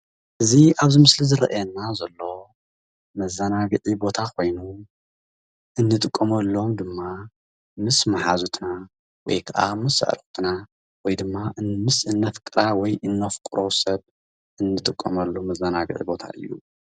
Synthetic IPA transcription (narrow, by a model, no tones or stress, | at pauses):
ʔɨziaβzimɨslizɨɾɐ̰ʔjɛnːazɐlːo̞ | mɐzɐnaɡɨʕibo̞t̪ʰakʰo̞jnu | ʔɨnːɨt̪ʼɨkʼːɐmɐlːo̞md̪ɨmːa | mɨsmaħazut̪ʰna | wɔ̰jkʰaʔa̰mɨsɐ̰ʔɾxt̪ʰɨna | wɔjd̪ɨmːaʔmɨsɨnːɐt̪kʼɨɾawɔjʔɨnːɐfkʼɾo̞sɐβ | ʔɨnːɨt̪ʼɨkʼːɐmɐlːomɐzːɐnaɡɨ̰ʕḭbo̞t̪ʰa̰ʔɨ̰jːṵ